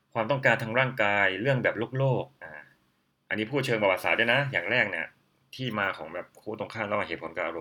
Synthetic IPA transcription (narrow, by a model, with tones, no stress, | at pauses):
kʰwaː˧mt̪ɔ˥˩ŋkaː˧nt̪ʰaː˧ŋɾaː˥˩ŋkaː˧jɾɯ˥˩əŋbɛː˨˩p̚lo˥˩k̚loː˥˩k̚ʔaː˨˩ | ʔa̰˧nːiː˦˥pʰuː˥˩t̪̚t͡ɕʰɤː˧npa˧˩wa˨˩t̪saː˨˩˦u˥˩jna˦˥jaː˨˩ŋɾɛː˥˩k̚ni˥˩ɐ | t̪ʰiː˥˩maː˧kʰɔː˩˦ŋbɛː˨˩p̚kʰuː˦˥˩t̪o˧ŋkʰaː˥˩mlɛ˦˥waː˧˩eː˨˩pʰnkaː˧˩ʔa˧ɾo˧m